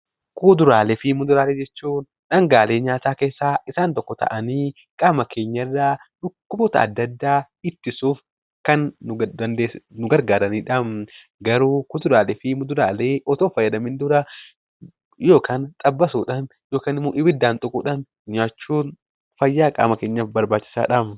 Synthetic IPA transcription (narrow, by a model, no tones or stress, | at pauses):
kuːd̪ʊɾaːlɛfɪmːʊd̪ʊɾaːleːd͡ʒɛt͡ʃːuːn | ᶑɐŋɡaːle̞ːɲaːt̪aːke̞ːsːaːɪsaːnt̪ɔkːɔt̪ɐ̰ʔɐniː | kʼaːmɐkʰe̞ːɲːɐrːaːᶑʊkːʊbɔt̪ɐ̰ɐ̰d̪ːɐd̪ːaː | ɪt̪ːɪsuːf | kɐnːd̪ɐnd̪eːnʊɡɐɾɡaːɾɐniːᶑɐm | ɡɐɾuːkʊt̪ʊɾaːlɪfɪmʊd̪ʊɾaːleːʔɔt̪oːfɐjːɐd̪ɐmɪnd̪ʊɾɐ | jo̞ːkʰaːnt̪ʼɐbːɐsuːᶑaːnjo̞ːkaːnɪmːuːʔɪbɪd̪ːaːnt̪ʼʊkʼuːᶑɐn | ɲaːt͡ʃːuːn | fɐjːaːkʼa̰ːmɐke̞ːɲːɐbɐɾbaːt͡ʃːɪ̥sa̰ːᶑɐm